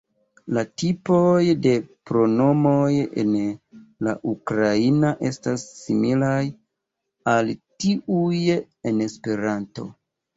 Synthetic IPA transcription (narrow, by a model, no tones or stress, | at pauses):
latipo̞jde̞pɾo̞no̞mo̞jḛnla̰ʔukɾainaʔe̞stasːimilaj | altiuj | ene̞spe̞ɾanto̞̰